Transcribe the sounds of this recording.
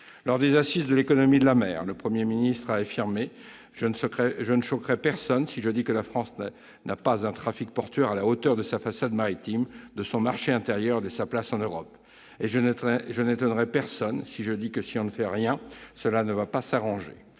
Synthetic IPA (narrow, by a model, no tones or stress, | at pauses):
lɔʁd̪ezasisd̪əlekɔnɔmid̪əlamɛːʁləpχəmjeminist̪χaafiʁme | ʒkɛʒənəʃɔkʁɛpɛʁsɔnsiʒəd̪ikəlafχɑ̃sn | nʔapazɛ̃t̪χafik̚pɔʁt̪ɥɛʁalaot̪œʁd̪əsafasad̪maʁit̪imd̪əsɔ̃maʁʃeɛ̃t̪eʁjœʁd̪əsaplasɑ̃nøʁɔp | eʒʒənet̪ɔnʁɛpɛʁsɔnsiʒəd̪ikəsiɔ̃nəfɛʁjɛ̃səlanəvapasaʁɑ̃ʒḛ